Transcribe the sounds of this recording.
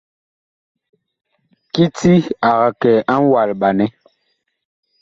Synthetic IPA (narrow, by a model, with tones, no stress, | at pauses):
ki˦ti˦a˨ɣa˨kɛ˨a˦n˦wa˨lɓa˨nɛ˦